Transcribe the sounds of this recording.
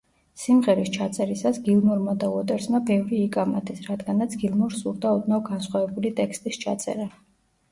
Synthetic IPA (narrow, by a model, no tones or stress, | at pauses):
simʁɛɾist͡ʃʰat̪sʼɛɾisasɡilˠnuɾmad̪auɔt̪ʼɛɾsmabɛvɾiːkʼamad̪ʰɛsɾad̪ɡanat̪sʰɡilˠnuɾsuɾd̪aud̪naɡansχwavɛbulit̪ʼɛkst̪ʼist͡ʃʰa̰t̪sʼɛ̰ɾa